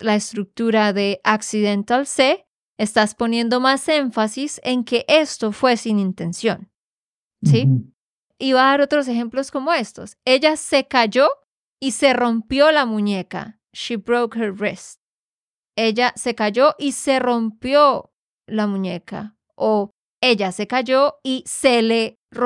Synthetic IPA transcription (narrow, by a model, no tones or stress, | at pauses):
laest̪ɾuk̚t̪uɾaðe̞ʔaksiðe̞nt̪alse̞ː | st̪aspo̞nje̞nd̪o̞mase̞ɱfasise̞ŋke̞ʔe̞st̪o̞fwe̞sinint̪e̞nsjo̞n | si | iβaðaɾo̞t̪ɾo̞s̬e̞xe̞mplo̞sko̞mo̞e̞st̪o̞se̞ʝase̞kaʝo̞ | ise̞ro̞mpjo̞lamũɲe̞ka̰ | ʃibɾowkheɾrest̪̚ | e̞ʝase̞kaʝo̞ʔise̞ro̞mpjo | lamũɲe̞ka̰ | ʔo | e̞ʝase̞kaʝo̞isele | r